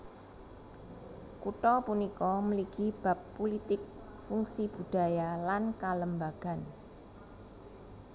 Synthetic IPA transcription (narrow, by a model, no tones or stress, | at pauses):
kuʈɔpunikɔməliɡ̥ib̥a̤pːulit̪ɪk̚ | fuŋsib̥ṳd̪̥a̤jalankaləmbaɡ̥a̤n